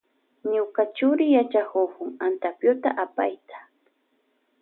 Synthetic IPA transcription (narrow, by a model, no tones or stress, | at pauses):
ɲʊkat͡ʃʊɾɪjat͡ʃakokʊŋant̪apjʊt̪aʔapa̰jt̪ḁ